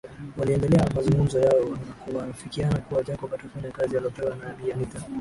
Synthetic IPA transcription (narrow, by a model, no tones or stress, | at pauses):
waliɛndɛlɛamazuŋɡum̩zɔjaɔnkuwafikianakuwad͡ʒakɔkatɔfaɲakazijaliɔpɛwanaɛbiamita